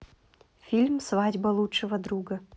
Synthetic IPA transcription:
fʲilʲmsvadʲbɐlˠutʂɨvəd̪ɾuɡə

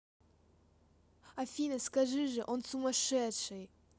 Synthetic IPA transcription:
ɐfʲinəskɐʐɨʐɨʔonsumɐʂɛt̪ʂɨj

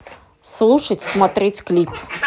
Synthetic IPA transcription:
slˠuʂɐtʲsmɐt̪ɾɛtʲklʲip

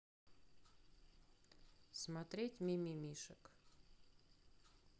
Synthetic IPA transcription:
smat̪ɾʲetʲmʲimʲimʲiʃək

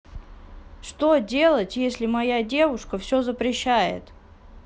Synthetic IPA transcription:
ʂt̪o̞dʲe̞lˠətʲjesʲlʲɪmɐjadʲevʊʂkəfsʲozəpɾʲɪɕːæjɪ̰t̪

